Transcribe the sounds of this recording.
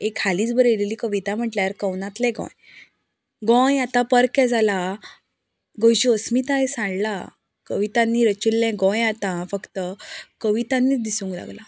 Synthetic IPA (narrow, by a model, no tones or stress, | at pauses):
ekʰːaliːt͡sbəɾjeleliːkəʋit̪am̤əʈljaɾkə̃wnãt̪lɛ̃ɡɔ̰̃j | ɡɔ̃jat̪ãpəɾkɛd͡zʱala | ɡə̃wɕiəsmit̪ajsãɳla | kəʋit̪ãnːiːɾət͡ɕilːɛ̃ɡɔ̃jat̪ãfəkt̪əkəʋit̪anːiːd̪isũŋkla̰ɡla